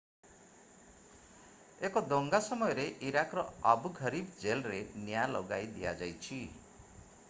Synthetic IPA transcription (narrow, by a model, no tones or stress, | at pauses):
ekɔd̪oŋɡasɔmɔjɔɾeʔiɾakɾɔabuɡʱʌɾibd͡ʒelɾenjalɔɡajd̪ija̰d͡ʒajt͡ʃʰi